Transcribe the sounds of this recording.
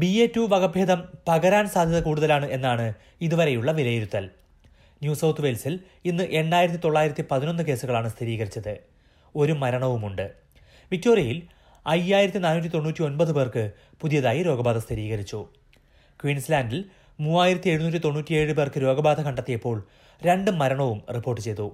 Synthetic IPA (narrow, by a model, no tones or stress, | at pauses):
bieːtːuʋɐɣɐbʱjeːd̪ɐmpɐɣɐɾaːnsaːd̪ʱjɐðɐkuːɽuðɐlaːɳɨʔe̞nːaːɳɨ | iðuʋɐɾe̞juɭːɐʋilɐjiɾut̪ːɐl | njuːsɐwt̪ʰuʋe̞lsil | inːɨʔe̞ɳɖaːjɾɐt̪ːit̪o̞ɭːaːjiɾɐt̪ːipɐðino̞nːɨke̞ːsuɣɐɭaːɳɨst̪ʰiɾiːɣɐɾit͡ɕːɐðɨ | o̞ɾumɐɾɐɳɐʋumuɳɖɨ | ʋik̚to̞ːrjɐjil | ɐjaːjiɾɐt̪ːinaːnuːt̬ʲːit̪o̞ɳːuːtːio̞nbɐðɨbe̞ːrkɨ | puðijɐðaːjiɾo̞ːɡɐbaːd̪ɐst̪ʰiɾiːɣɐɾit͡ɕːu | kwiːnslaːndil | muːaːjiɾɐt̪ːie̞ɻunuːtʲːit̪o̞ɳːuːtʲːie̞ːɻɨpe̞ːrkɨɾo̞ːɡɐbaːd̪ʱɐkɐɳɖɐt̪ːijɐpːo̞ːɭ | ɾe̞ɳɖɨmːɐɾɐɳɐʋumripːo̞ːrʈːɨt͡ɕe̞jt̪u